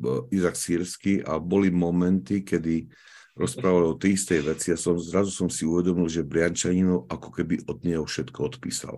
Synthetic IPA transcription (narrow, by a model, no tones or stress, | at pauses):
izaksiːɾskiʔa̰bɔlimɔmɛnt̪ikɛd̪i | ɾɔspɾaːʋalɔt̪ɛist̪ɛjʋɛt͡siasɔmzɾazusɔmsiuʋɛd̪ɔmilʒɛbɾɪant͡ʃaɲinɔʊʔakɔ̥kɛbiʔɔd̪ɲɛɦɔfʃɛt̪kɔɔt̪pḭːsa̰l